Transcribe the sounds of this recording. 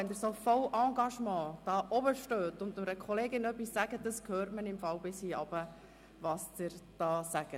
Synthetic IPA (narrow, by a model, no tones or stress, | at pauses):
ɛnd̪əɾsofɔwʔɑ̃ːɡɑʃmɑ̃ːd̥ɑːʔɔbəʃtøːtʊnd̪nʊɾəkʰɔleːɡɪnœpisːæɡəd̥əskʰhøːrtmənɪmfɑwbɪshiːɑbə | ʋɑːsd̥ɪɾd̥ɑːsæɡ̥ə